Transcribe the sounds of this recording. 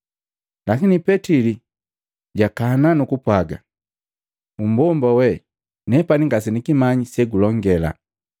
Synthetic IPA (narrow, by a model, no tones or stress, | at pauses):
lakinipɛtili | ɟakananukupwaɡa̰ | um̩bɔmbawɛ | nɛpaniŋɡas̬ɛnikimaɲisɛɡulɔŋɡɛla̰